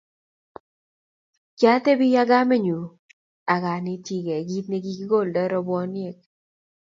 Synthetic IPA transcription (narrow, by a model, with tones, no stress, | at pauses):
t͡ʃa˦t̪e˦bi˦ja˦ɡa˦me˦ɲu˨ | a˨ɡa˨nɪ˦ti˦ɡɛ˨ɡi˦t̪ne˦ɡi˦ɡɡo˦˨ldɛ˦ɾɔ˦bɔ˦nje˨k̚